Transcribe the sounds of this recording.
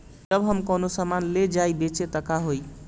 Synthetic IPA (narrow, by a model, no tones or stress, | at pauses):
d͡ʒəbɦəmkənosəmanled͡ʒajbet͡ʃet̪əkaɦoj